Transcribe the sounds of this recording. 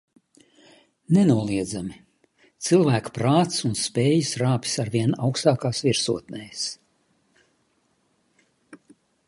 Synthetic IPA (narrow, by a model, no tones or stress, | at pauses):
nɛnuɔlˠiɛd̪zami | t̪sɨlˠvæːkḁpɾaːt̪sunspeːjisɾaːpi̥saɾvʲiɛnawkst̪aːkaːsviɾsṵɔt̪nɛːjs